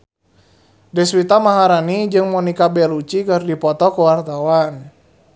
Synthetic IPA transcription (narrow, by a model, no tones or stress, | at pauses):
dɛswit̪amaɦaɾanid͡ʒɨŋmɔnikabɛlut͡ʃikərdipɔt̪ɔkuwart̪awan